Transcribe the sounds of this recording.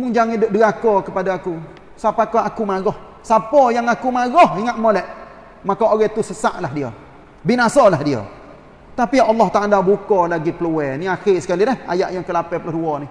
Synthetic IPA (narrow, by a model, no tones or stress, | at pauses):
mʊŋd͡ʒaŋidʊʔ̚dəakɔkəpadaːku | sapakɔakumaɡɔh | sapɔjaŋakumaɡɔhiŋat̪̚molɛʔ | makaoɣɛt̪usəsaʔlahdiə̰ | binasalahdiə̰ | t̪apiɑlˠːɔht̪aʔalabukɔlaɡipəluɛniaxɪsə̥kalidɛha̰jaʔjaŋkəlapɛpəlʊhduɔni